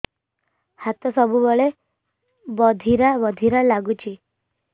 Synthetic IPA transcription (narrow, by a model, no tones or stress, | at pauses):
hat̪ɔsɔbubɔɭe | bɔd̪ʱiɾabɔd̪ʱiɾalaɡut͡ʃʰi